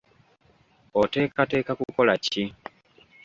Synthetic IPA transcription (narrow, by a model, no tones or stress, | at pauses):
ote̞ːkate̞ːkakuko̞laci